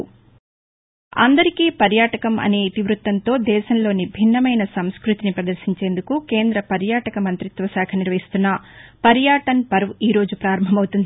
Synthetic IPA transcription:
ɐ̰nd̪ɐɾikiːpɐɾjaːʈɐkɐmʔɐ̰neːt̪iʋɾut̪ːɐnt̪o̞ːd̪ɛːʃɐmlo̞ːnibʱinːɐmɐjnɐsɐmskɾut̪inipɾɐd̪ɐɾʃiɲt͡ʃe̞ːnd̪ukuke̞ːnd̪ɾɐpɐɾjaːʈɐkɐmɐnt̪ɾit̪ʋɐsaːkʰɐniɾʋɐɦist̪unːɐpɐɾjaːʈɐnpɐɾʋiːɾo̞ːd͡ʒupɾaːɾɐmbʱɐmɐwut̪und̪i

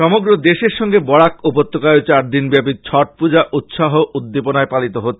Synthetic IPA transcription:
ʃɔmoɡɾod̪eʃeɾʃɔŋɡebɔɽakupot̪ːokaeot͡ɕaɾd̪inbɛpit͡ɕʰɔʈ̚pud͡ʑaʔʔut̪ʃaɦoʔud̪ːeponaepalit̪oɦot̪ːʰe

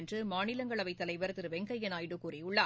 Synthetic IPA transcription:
ndrɯmaːnɪlɐŋɡɐɭɐʋɐɪt̪ːɐlɐɪʋɐɾt̪ɪɾɯʋɛŋɡɐjɐnaːjɽɯkuːriʊɭːɐ

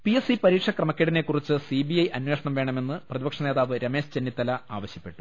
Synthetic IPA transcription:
piesipɐɾiːkʂɐkrɐmɐkʲːeɽinekːurit͡ɕːɨsibiɐjʔɐnwe̞ːʂɐɳɐmʋe̞ːɳɐme̞nːɨprɐðibɐkʂɐneːðaːʋɨɾɐme̞ːʂt͡ɕenːit̪ːɐlɐaːʋɐɕjɐpːe̞ʈːu̥

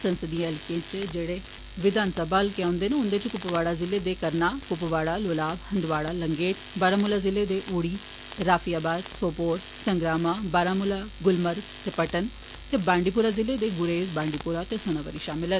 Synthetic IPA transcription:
sənsəd̪iãːɛlkãːt͡ʃd͡ʒeːɽeː | ʋɪd̪ʱaːnsəbaːlkãːnd̪eːneʊ̃nd̪eːt͡ʃkʊpʋaːɽaːzɪleːd̪eːkəɾnaːkʊpʋaːɽaːloːlaːbhənd̪ʋaːɽaːləŋɡeːʈ | baːɾaːmʊlaːzɪleːd̪eːʔuːɽiː | ɾaːfʰijaːbaːd̪soːpoːɾ | səŋɡɾaːmaːbaːɾaːmʊlaːɡʊlməɾ | t̪eːpəʈən | t̪eːbãːɳɖiːp̬uːɾaːzɪleːd̪eːɡʊɾeːbãːɳɖiːpuːɾaːt̪eːsoːnaːʋə̰ɾiːʃaːmɪlə

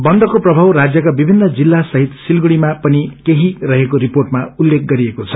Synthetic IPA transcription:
bʌnd̪ʌkoprʌbʱawrad͡zjʌkabibʱinːʌd͡zilːasʌɦit̪silɡuɽimapʌnikeɦirʌɦekoɾiporʈmaulːek̚ʰɡʌɾiekot͡sʰʌ̥

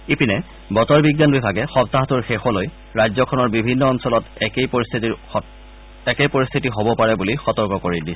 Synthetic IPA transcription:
ipinɛ | bɔtɔɹbiɡanbibʱaɡɛxɔp̚taɦtuɹxexɔloj | ɹajzɔkʰɔnɔɹbibʱinːɔːnsɔlɔtɛkejpist̪ʰiti | ɛkepoɹist̪ʰitiɦobɔpaɹɛbulixɔtɔɹkɔkoɹidisɛ

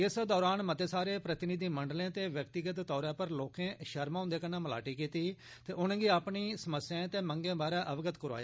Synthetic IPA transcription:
ɪsd̪ɔːɾaːnmət̪eːsaːɾeːpɾət̪ɪnɪd̪iːməɳɖlẽːt̪eːʋjək̚t̪ɪɡət̪t̪ːɔːɾãːpəɾloːkẽːʃəɾmãːʊnd̪eːkənãːməla̰ːʈiːkiːt̪iː | t̪eːʔʊñːɡiːapɳiːsəməsjãːt̪eːməŋɡẽːbaːɾãːʔəʋɡət̪kəɾa̰ːjaː

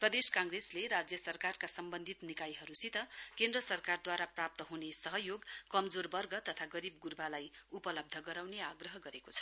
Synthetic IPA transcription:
prʌd̪eskaŋɡresleɾad͡zjʌsʌrkarkasʌmbʌnd̪ʱit̪nikajɦʌɾusit̪ʌkend̪rʌsʌrkard̪waɾaprap̚t̪ʌɦunesʌɦʌjoɡkʌmd͡zorbʌrɡʌt̪ʌt̪ʰaɡʌɾib̚ɡurbalajupʌlʌb̚d̪ʱʌɡʌɾawneaɡrʌɦʌɡʌɾekot͡sʰʌ̥

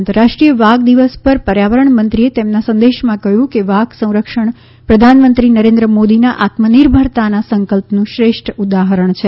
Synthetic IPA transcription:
ənt̪əɾaʂʈɾijəʋaɡd̪iʋəspəɾpəɾjaʋəɾəɳmənt̪ɾiet̪emnasə̃nd̪eʃmãkəɦjũkeʋaɡsə̃w̃ɾəkʃəɳ | pɾəd̪ʱanmənt̪ɾinəɾend̪ɾəmod̪inaʔat̪məniɾbʱəɾt̪anasəŋkəlpnũʃɾeʃʈʰud̪aɦəɾəɳt͡ʃʰe

